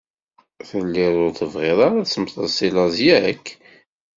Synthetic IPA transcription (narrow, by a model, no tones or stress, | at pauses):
θəlːɪɾˤʊɾθəvʁɪðˤɑɾasəmθˤəsilɑzjæəkː